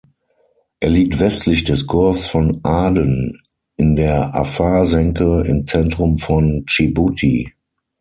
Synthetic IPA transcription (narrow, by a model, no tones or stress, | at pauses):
ʔeːɐliːk̚tv̥ɛstʰlɪçd̥ɛsɡʰʊɐfsfɔnʔaːdən | ʔɪndeːɐʔa̰faːzɛŋkəɪ̰mt͡sɛntʁ̥ʊmfɔnt͡ʃibutʰḭ